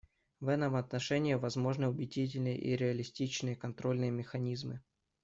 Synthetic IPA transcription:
vɛt̪əmɐt̪nɐʂɛnʲɪjəvɐzmo̞ʐnəʊbʲɪdʲit̬ʲɪlʲnɨjə̰ʔḭɾʲɪɐlʲɪsʲtʲit͡ɕnɨjəkɐnt̪ɾo̞lʲnɨjəmʲɪxɐnʲizmɨ

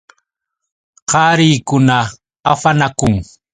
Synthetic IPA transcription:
qɑːɾiːkʊna | afanakʊŋ

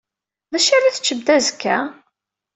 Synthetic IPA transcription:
ðæʃaɾiθt͡ʃːəb̚d̪æzəkːæ̰

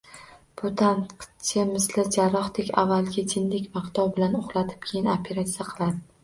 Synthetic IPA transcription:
b̥ʊt̪ʰanqt̪ʰemɪzlɪd͡ʒaɾɒχt̪ekʲa̰vːalˠɡʲat̪ʰɪnlɪkʲvaqt̪ʰɒwbɪlanoχlˠat̪ʰɪ̥p̚kʲʰejɪnopʰe̞ɾat̪sijaqʰɨlˠad̪ɪ

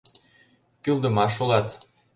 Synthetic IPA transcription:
kylˠd̪ə̆mɑʃolˠɑt̪

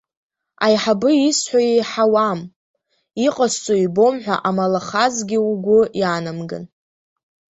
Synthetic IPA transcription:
a̰jħabɨisħʷajejħawam | iqʼast͡sʷʼoibo̞mħᶣʷaʔamalaχazɡʲɪuɡʷʊjanamɡɨ̰n

